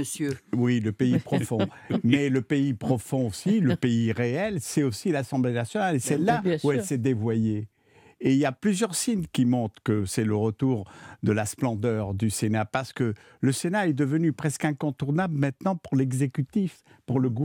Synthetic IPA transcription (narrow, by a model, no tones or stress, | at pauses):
əsjøwiləpeipχɔfɔ̃ | mɛləpeipχɔfɔ̃osiləpeiʁeɛlsɛt̪osilasɑ̃blenasjɔnalesɛlːauɛlsɛd̪evwajeː | iljaplyzjœʁsinkʲimɔ̃t̪χə̥kəsɛləʁət̪uʁd̪əlasplɑ̃d̪œʁd̪ysenapaʁsə̥kə | ləsenaɛd̪əvənypχɛskɛ̃kɔ̃t̪uʁnabləmɛ̃t̪nɑ̃puʁlɛɡzekʲyt̪if | puʁləɡ